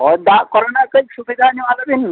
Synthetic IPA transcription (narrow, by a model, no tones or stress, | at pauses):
ɔd̪akɔɾnakəiksubid̪ʱaniʋaləbin